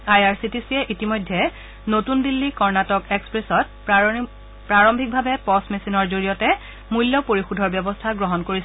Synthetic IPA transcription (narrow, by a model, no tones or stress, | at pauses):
ajaɹsitisiɛʔitimɔjdʱːɛ | notundilːikɔɹnatɔkɛkspɹesɔt̚ | pɹaɹɔmbʱik̚bʱabɛpɔsmesinɔɹzoɹijɔtɛ | mulːjɔpoɹixudʱɔɹbjɛbɔstʰaɡɹɔɦɔnkoɹis